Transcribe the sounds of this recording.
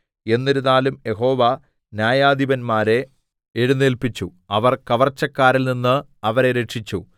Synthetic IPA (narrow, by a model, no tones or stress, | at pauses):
e̞nːeɾuðaːlumje̞ɦo̞ːʋɐ | njaːjaːd̪iʋɐnmaːɾe̞ | eɻunːelpit͡ɕːu | ɐʋɐrkɐʋɐrt͡ɕːɐkːaːɾilninːɨ | ɐʋɐɾe̞ɾeʂit͡ɕːu